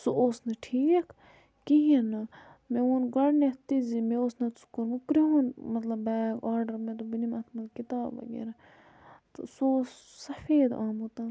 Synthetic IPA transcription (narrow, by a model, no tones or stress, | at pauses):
soʔoːsnɐʈʰiːkʰ | kiɦenɐ | meoːnɡɐɽnet̪izimeoːsnɐt͡sʰu̥kːuɾmukɾiɦonmɐt̪lɐbːɛːɡaːɾɖɐɾmẽt̪ubinimɐt̪ʰmɐlkit̪aːbʋɐ̰ɡḛɾɐ | t̪sossɐfeːd̪aːmot̪ɐːn